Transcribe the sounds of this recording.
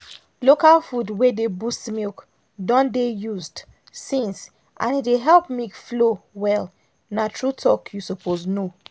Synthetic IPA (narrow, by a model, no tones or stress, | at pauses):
lokalfudwedebustmilk | dɔ̃ndejuzd | sĩns | ʔã̰nideɦɛlpmikflowɛl | natʰɹutʰɔkjusɔpʰozno